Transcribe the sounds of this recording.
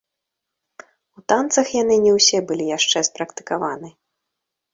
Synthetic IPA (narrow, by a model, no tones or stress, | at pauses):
ut̪ant̪sɐxjan̪ɨnʲɛwsʲɛbɨlʲijaʂt͡ʂɛspɾɐkt̪ɨ̥kavanɨ